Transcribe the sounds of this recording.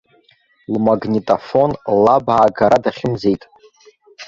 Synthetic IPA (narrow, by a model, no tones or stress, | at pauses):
lmaɡnʲitʼafo̞nlabʕaːɡaɾadaχʲɪmzejtʼ